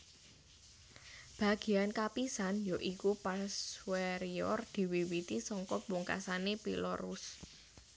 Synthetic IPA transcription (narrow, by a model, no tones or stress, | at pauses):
b̥ä̤ɡ̥i̤jankapisanjoʔikupaswɛɾiɔrd̪̥i̤wiwit̪isɔŋkɔpuŋka̰sanepḭlɔɾus